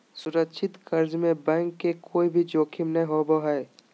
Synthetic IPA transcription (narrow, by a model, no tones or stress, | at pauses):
sʊɾəkʃʰɪt̪kɐɾd͡ʒmẽbɛ̃ːŋkːekʰoːibʱid͡ʒoːkʰɪmnɐɦĩɦoːboɦɛː